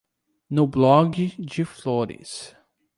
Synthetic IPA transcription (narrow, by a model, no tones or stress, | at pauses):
nʊblɔɡɪd͡ʒɪfloɾɪ̰s